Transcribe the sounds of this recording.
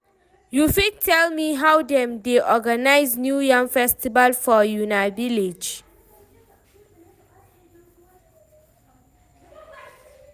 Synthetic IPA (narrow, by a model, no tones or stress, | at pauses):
jufid̚tʰɛlmiɦawdɛ̃mdeʔɔɡanaɪznjujãŋfɛstibalfɔjunaviled͡ʒ